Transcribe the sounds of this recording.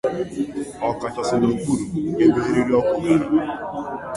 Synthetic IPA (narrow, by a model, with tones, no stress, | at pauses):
ɔ˨ka˨t͡ʃɔ˨sʊ˨no˨k͡pu˦˨ɾu˨˦ɡe˦be˦e˦ɾi˦ɾi˦ɔ˦kʷʊ˦i˦na˨